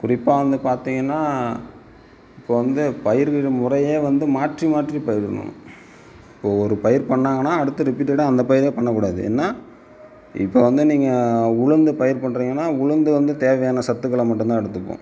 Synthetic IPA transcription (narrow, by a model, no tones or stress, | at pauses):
kʊɾɪpːaːʋɐnd̪ɯpaːɾt̪iːŋɡɐnːaː | ɪpːoːʋɐnd̪ɯpɐjɪɾɣɯmʊɾɐjeːʋɐnd̪ɯmaːʈrimaːʈripɐjɪɾɯnʊ̰̃ | ɪpːoːɔɾɯpɐjɪɾpɐɳːaːŋɡɐnːaːɐɽɯt̪ːɯɾɪpiːʈːɐɽɐ̃ɐnd̪ɐpɐjɪɾeːpɐɳːɐk̬ːuːɽaːðɯ̰ɛ̰ːnːaː | ɪ̰pːoːʋɐnd̪ɯniːŋɡɐʊɻʊnd̪ɯpɐjɪɾpɐɳːɾiːŋɡɐnːaːʊɻʊnd̪ɯʋɐnd̪ɯt̪eːʋɐjaːnɐsɐt̪ːɯkːɐɭɐmɐʈːɯmt̪ãːɛɽɯt̪ːɯpːõ̰ː